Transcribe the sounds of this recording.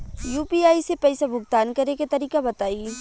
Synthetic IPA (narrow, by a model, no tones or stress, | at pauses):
juːpiaːisepɛɪsabʱʊɡ̚t̪aːnkɐɾeket̪ɐɾiːkabɐt̪aːi